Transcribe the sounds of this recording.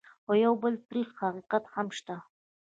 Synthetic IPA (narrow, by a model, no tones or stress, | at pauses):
xojawbəlt̪ɾixhaqiqat̪hamʃt̪a